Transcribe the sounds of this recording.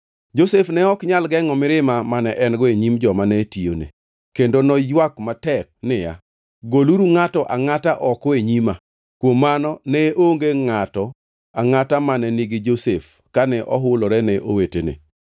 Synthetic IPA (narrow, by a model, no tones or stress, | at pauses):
d͡ʒosefnɛɔkɲalɡɛŋɔmɪɾɪmamanɛʔɛnɡɔeɲimd͡ʒɔmanɛtio̰nḛ | kendonɔjwakmatɛk̚nɪja̰ | ɡoluɾuŋatɔʔaŋataʔɔkɔeɲima | kwomːanɔnɛʔoŋɡeŋatɔ | aŋatamanɛniɡɪd͡ʒosef | kanɛʔɔɦʊlɔɾɛnɛʔo̰wetenḛ